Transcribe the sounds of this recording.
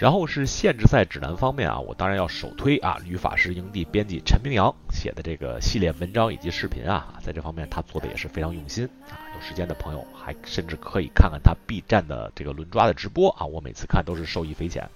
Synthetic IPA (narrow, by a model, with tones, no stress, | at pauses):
ɻa˧˥nxo˥˧ʊʂɻ̩˥˧ɕjɛ˥˧nʈ͡ʂɻ̩˥˧sa˥˩ɪʈ͡ʂɻ̩˨˩na̰˧˥nfɑ˥ŋmjɛ̰˥˩nʔɐ̰˩wɔ̰˨˩t̪ɑ˥ŋɻa˧˥njɑ˥˩ʊʂo˨˩ʊt̪ʰwe˥ɪʔɐ̰˨ly˧˥fa̰˨˩ʂɻ̩˥˩i˧˥ŋt̪i˥˩pjɛ˥nt͡ɕi˥˩ʈ͡ʂʰə˧˥nmi˧˥ŋljɑ˧˥ŋɕjɛ̰˨˩d̪ə˦ʈ͡ʂɤ˥˩ɡə̰˩ɕi˥˧ljɛ˥˩wə˧˥nʈ͡ʂɑ˥ŋḭ˨˩t͡ɕi˧˥ʂɻ̩˥˩pʰḭ˧˥nɐ̰˧˨t͡sa˥˧ɪʈ͡ʂɤ˥˩fɑ˥ŋmjɛ˥˩nt̪ʰa˥t͡swɔ˥˩d̪ə˩jɛ̰˨˩ʂɻ̩˥˩fe˥ɪʈ͡ʂʰɑ˧˥ŋjʊ˥˩ŋɕi˥n | a˨˩a˥jo˨˩ʂɻ̩˧˥t͡ɕjɛ˥nd̪ə˨pʰɤ˧˥ŋjo̰˨˧˩ʊxa˧˥ɪʂə˥˧nʈ͡ʂɻ̩˥˩kʰɤ˧˥i˨˩kʰa˥˧nkʰa˥˩nt̪ʰa˥pi˥˧ʈ͡ʂa˥˩nd̪ə̰˩ʈ͡ʂɤ˥˩ɡə˩lwə˧˥nʈ͡ʂwa˥d̪ə˨ʈ͡ʂɻ̩˧˥pwɔ˥ʔɐ̰˨˩wɔ˧˥me˨˩ɪt͡sʰɹ̩˥˧kʰa˥˩nt̪o˥ʊʂɻ̩˥˧ʂo˥˧ʊi˥˩fe˥ɪt͡ɕʰjɛ̰˧˥n